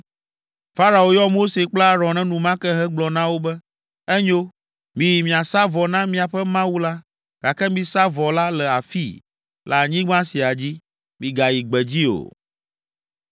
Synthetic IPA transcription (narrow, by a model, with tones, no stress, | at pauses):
fa˦ɾa˨o˨jɔ˦mo˦se˨k͡pla˦ɾɔ˨nɛ̃˦nũ˨mã˦kɛ˦ɦɛ˦ɡ͡blɔ˨nã˦wo˦bɛ˦ | ɛ˦ɲo˦ | mĩ˨ji˨mĩ˨a˨sa˦vɔ˨nã˦mĩ˦a˨ɸɛ˦mã˦wu˦la˦ | ɡ̥a˨kɛ˦mĩ˦sa˦vɔ˨la˦lɛ˨a˨fḭ˦ | lʔɛ̰˨a˨ɲĩ˦ɡ͡bã˦si˨a˨d͡ʑi˦ | mĩ˨ɡa˨ji˨ɡ͡bɛ˨d͡ʑi˦o̰˨